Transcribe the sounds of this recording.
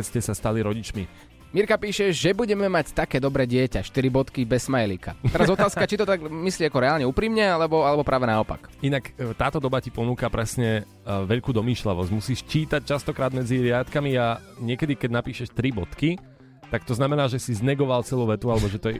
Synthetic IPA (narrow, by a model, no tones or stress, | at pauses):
ɛscɛsast̪aliɾɔɟit͡ʃmi | miɾkapiːʃɛʒɛbuɟɛmɛmact̪akɛːd̪ɔbɾɛːɟɪɛcaʃt̪iɾibɔt̪kibɛsmajɛlika̰ɛɾazɔt̪aːskat͡ʃit̪ɔt̪aɡmisliːakɔɾɛaːlɲɛupɾiːmɲɛalɛbɔalɛbɔpɾʔaːʋɛnaɔpa̰kinakt̪aːt̪ɔd̪ɔbacipɔnuːkapɾɛsɲɛ | ʋɛʎkuːd̪ɔmiːʃlɛʋɔzɟmusiːʃt͡ʃiːt̪ac̚t͡ʃast̪ɔkɾaːd̪mɛd͡ziɾɪat̪kamiaɲɪɛkɛd̪ikɛɟnapiːʃɛʃt̪ɾibɔt̪ki | t̪akt̪ɔznamɛnaːʒɛsiznɛɡɔʋalt͡sɛluːʋɛt̪ualɛbɔʒɛt̪ɔɛ